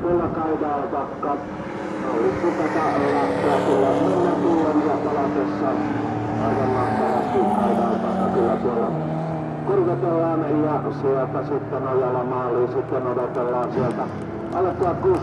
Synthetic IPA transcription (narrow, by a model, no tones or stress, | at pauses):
milːækɑidɑːlpɑkːɑ | olit̪ut̪ːɑt̪ɑːlːɑt̪ːuɑt̪uolːɑniet̪ːɑk̪uːoʋiɑt̪ɑlɑt̪esːɑ | ɑikɑmmɑht̪ɑʋɑst̪ikɑidɑːp̪ɑkːɑkylːæt̪uolːɑ | kurket̪elːɑːnjɑsielt̪æsit̪ːenojɑlːɑmɑːlːiɑsit̪ːenodet̪elːɑːnsielt̪æ | ɑ̰lːett̪uɑtkuːs